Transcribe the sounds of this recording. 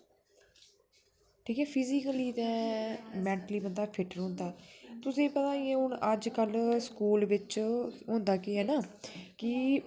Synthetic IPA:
ʈʰiːkɛːpʰizikəliːt̪ɛ̃ːmɛ̃ːɳʈəliːbənd̪aːpʰɪʈəɾɦʊ̃ːnd̪aːt̪ʊsẽːpət̪ãːiɛ̃ːɦʊɳəd͡ʒkəlskuːlʋɪt͡ʃɦõːnd̪aːkɪɦɛːnaːkɪ

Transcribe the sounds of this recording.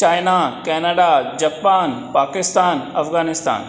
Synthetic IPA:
t͡ʃaːjnakɛːnaɖad͡ʑaːpaːnpaːkɪst̪aːnɐfɣaːnɪst̪a̰ːn

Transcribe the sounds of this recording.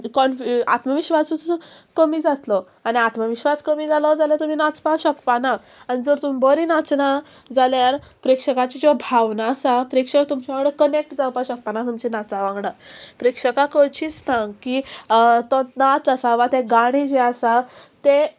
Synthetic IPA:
kɔnfat̪məʋiɕʋasut͡skəmiːd͡zat̪lɔ | aɽ̃iat̪məʋiɕʋaskəmiːd͡zalɔd͡zalat̪um̤iːnat͡spaɕəkpana | aɽ̃id͡zɔɾt̪umbɔɾinat͡sna | d͡zaljaɾpɾekʂəkat͡ɕid͡ʑɔbʱaʋnaːsapɾekʂəkt̪umt͡ɕaʋãŋɡɽəkənek̚ʈd͡zawpaɕək̚panat̪umt͡ɕenat͡saʋãŋɡɽapɾekʂəkakət͡ɕiːt͡st̪ʰãŋɡkit̪ɔ̃nat͡sasaʋat̪eɡaɽ̃id͡ʑeasat̪e

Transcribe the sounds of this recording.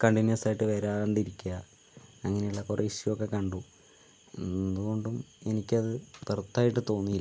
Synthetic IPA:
kɐɳɖinjɐsaːjiʈːɨʋeɾaːleɳɖiɾikʲːuɐ | ɐŋːɐne̞uɭːɐkorʔeːʂijokːekɐɳɖu | e̞nd̪uɣo̞ɳɖume̞nikʲːɐðɨpert̪ːaːjiʈːɨt̪o̞ːnːiilː

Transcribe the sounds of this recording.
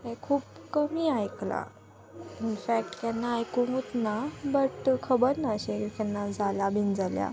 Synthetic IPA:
ekʰuːpkəmiːajkla̰ | infæk̚ʈt̪anːaːjkuŋut̪nabəʈkʰəbəɾnaəɕet̪anːad͡zʱalabʱind͡zalja̰

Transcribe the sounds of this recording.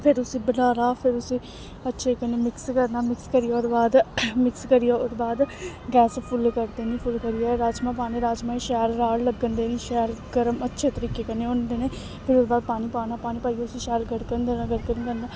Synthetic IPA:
pʰɪɾʊsĩːbənaːɾaːpʰɪɾʊsĩː | ətːʃʰeːkəneːmɪkskəɾnaːmɪkskəɾɪjaːʊɾbaːd̪mɪkskəɾɪjaːʊɾbaːd̪ɡɛːspʰʊlkəɾd̪eːnĩːpʰʊlkəɾijaːɾaːd͡ʒmãːpaːnẽːɾaːd͡ʒmãːiʃɛːɾːaːɽləɡːənd̪eːnĩːʃɛːɾɡəɾəmətːʃʰeːt̪əɾiːkeːkəneːõːnd̪eːneː | pʰɪɾʊɾbaːd̪̚paːñiːpaːnaːpaːñĩːpaːiːaːʊsĩːʃɛːɾɡəɽkənd̪eːnaɡəɽkəɾnd̪ənaː

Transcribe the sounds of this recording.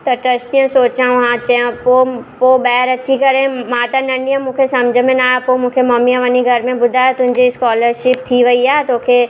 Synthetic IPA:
t̪ɐʈɾɐst̪ijə̃soːt͡ɕãũɦãt͡ɕɐə̃popobɛːɦɾɐt͡ɕʰikɐɾẽmãːt̪ɐnɐ̃ɳɖijə̃mũːkʰesɐ̃md͡ʑʱəmẽnaːjapomũːkʰemɐmiə̃ʋɐniɡʱɐɾmẽbʊd̪ʱaːet̪ʊ̃ɦɪ̃ɲd͡ʑiskɔːləɾʃɪp̚t̪ʰiʋɐiaːɦet̪oːkʰe

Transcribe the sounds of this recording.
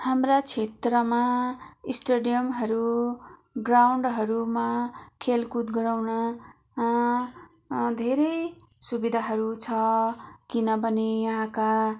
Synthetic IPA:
hamrat͡sʰet̪rʌmaisʈeɖijʌmɦʌɾu | ɡrawɳɖɦʌɾumakʰelkut̪ɡʌɾawnʌ | d̪ʱeɾʌjsubid̪ʱaɦʌɾut͡sʰʌkinʌpʌnijʌɦãka

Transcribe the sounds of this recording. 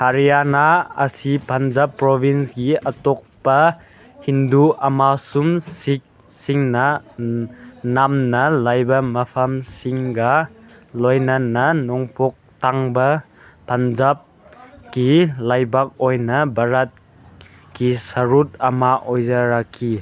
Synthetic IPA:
haɾijanaɐ̰sipanzapːɾɔbʱinsɡiʔɐtɔk̚pɐ | hinduɐmasumsik̚ | siŋnɐ | namnɐlajbɐmɐpʰɐmsiŋɡa | lɔjnɐnːɐnɔŋpʰɔk̚t̪aŋbɐ | pʰɐnzap̚ | kilajbak̚ɔjnɐbɐɾat̚ | kisɐɾut̚ɐmaʔɔjzɐɾakʰi

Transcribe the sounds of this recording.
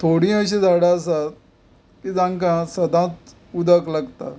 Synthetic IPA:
t̪ʰoɽĩːəɕĩd͡zaɽaəsat̪̚ | kid͡zãŋkãsəd̪ãt͡s̪ | ud̪əklaɡt̪a

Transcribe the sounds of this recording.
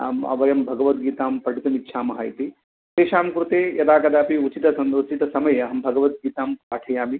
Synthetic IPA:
mɐ̰ʋɐjɐmbʱɐɡɐʋɐt̪̚ɡiːt̪aːmpɐɖit̪ɐmit̪ːʃʰaːmɐɦa̰ːjt̪i | t̪eːʃaːmkɾut̪eːjɐd̪aːkɐd̪aːpiut͡ʃit̪ɐsɐnut͡ʃit̪ɐsɐmɐjɐɐɦɐmbʱɐɡɐʋɐt̪̚ɡiːt̪aːmpaːʈʰɐjaːmi

